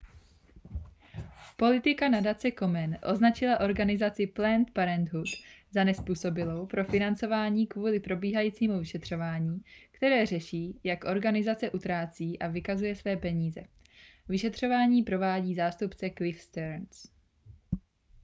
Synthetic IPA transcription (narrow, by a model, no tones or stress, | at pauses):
po̞lɪt̪ɪkanadat͡sɛko̞mɛnʔo̞znat͡ʃɪlaʔo̞ɾɡanɪzat͡sɪplɛnt̪paɾɛnd̪ɦut̪zanɛspuːso̞bɪlo̞wpɾo̞fɪnant͡so̞vaːɲiːkvuːlɪpɾo̞biːɦajiːt͡siːmuvɪʃɛt̪r̥o̞vaːɲiːkt̪ɛɾɛːrɛʃiːjakʔo̞ɾɡanɪzat͡sɛʔut̪ɾaːt͡siːʔavɪkazujɛsvɛːpɛɲiːzɛ̰ | vɪʃɛt̪r̝̥o̞vaːɲiːpɾo̞vaːɟiːzaːst̪upt͡sɛklɪfst̪ɛɾns